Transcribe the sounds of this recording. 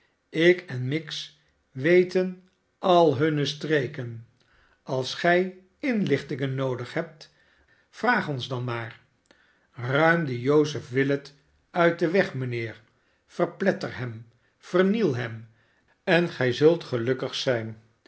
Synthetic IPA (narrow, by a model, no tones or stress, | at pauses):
ɪkɛnmɪks | ʋejtən | ɑlˠɦɵnəstrejkən | ɑlˠsχɛj | ɪnlɪχtɪŋənːowdəχɦɛp̚t | v̥raːχɔnzdɑnmaːr | rœɥmdəjowsəfʋɪlət | œɥt̚dəʋɛχmənɪːɹ | fərplɛtərɦɛm | v̥ərnilˠɦɛm | ɛnχɛjzɵlˠtχəlɵkəχsɛjn